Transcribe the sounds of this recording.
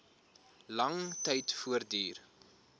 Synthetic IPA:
lɐŋtɛjtfuərdiːr

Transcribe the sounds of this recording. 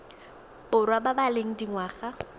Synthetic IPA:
ʊrwababaleŋ̩diŋwaːχa

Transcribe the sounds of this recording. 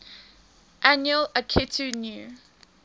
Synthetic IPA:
ʔanjələkʰɪtʰunju

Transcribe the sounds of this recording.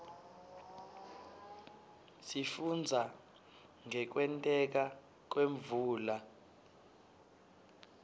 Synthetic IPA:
sifund͡zʱa | ŋɛk̬wɛntʼɛk̬a | k̬weɱvuːla

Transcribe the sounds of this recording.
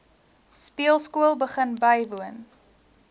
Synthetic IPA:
spiəlˠskuəlˠbəχənbɐjvuən

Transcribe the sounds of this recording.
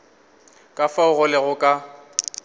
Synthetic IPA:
kʼafaʊɣʊlɛɣʊkʼa

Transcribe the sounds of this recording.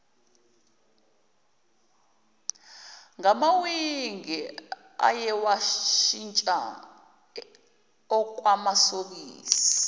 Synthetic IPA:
ŋamawiŋɛ | a̰jɛwaʃint͡ʃʼa̰ | ɔk̬ʼwamasoɓiːsi̥i̥

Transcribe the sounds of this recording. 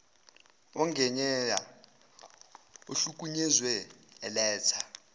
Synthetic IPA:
ɔŋɡʱɛɲɛja | uɬuk̬ʼuɲɛzwɛɛlɛːt͡sʰḁ

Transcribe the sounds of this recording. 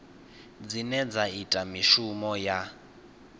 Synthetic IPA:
d͡zinɛd͡zaitʼamiʃumɔja

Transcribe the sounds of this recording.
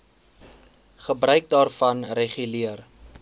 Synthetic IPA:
χəbrœɥk̚dɑːrfɐnreχyliər

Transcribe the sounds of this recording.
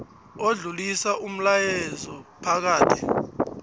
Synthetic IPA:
oɮulisaʔum̩lajɛzɔpʰak̬aːtʰɛ̥

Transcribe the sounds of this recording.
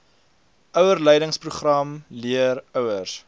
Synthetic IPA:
ʔœwərlɛjdəŋspruχrɐmliərœwərs

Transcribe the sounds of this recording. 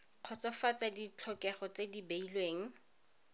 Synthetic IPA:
q͡χʰɔt͡sɔfat͡sadit͡ɬʰɔkɛχɔt͡sedibeilweːŋ̩

